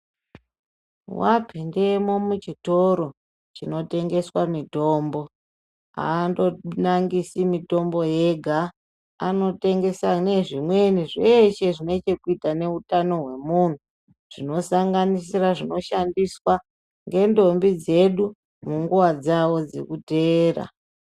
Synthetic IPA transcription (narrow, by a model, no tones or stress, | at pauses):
wapʰindemo̞mut͡ʃito̞ɾo̞ | t͡ʃino̞te̞ŋɡe̞swamito̞ːmbo̞ | a̰ːndo̞naŋɡisimito̞mbo̞je̞ɡʱa | ano̞te̞ŋɡe̞sane̞ʐimwe̞niʐeʃe̞ʐine̞t͡ʃe̞kuitane̞utano̞ɦwe̞mun̤u | ʐ̥ino̞saŋɡanisiraʐino̞ʃandiswa | ŋɡe̞ndo̞mbid͡ze̞ɗu | muŋɡuwad͡zawo̞d͡ze̞̰kuteːra̰